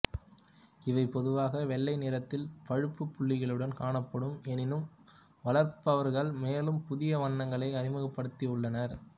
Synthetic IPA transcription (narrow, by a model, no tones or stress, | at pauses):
ɪʋɐɪpːɔðɯʋaːɣɐʋɛɭːɐɪnɪɾɐt̪ːɪlpɐɻɯpːɯpːʊɭːɪɣɐɭɯɽɐnkaːɳɐpːɐɽɯmɛnɪnɯm | ʋɐlɐɾpɐʋɐɾɣɐɭmeːlɯmpʊðɪjɐʋɐɳːɐŋɡɐɭɐɪɐɾɪmɐɣɐpːɐɽɯt̪ːiɯɭːɐnɐɾ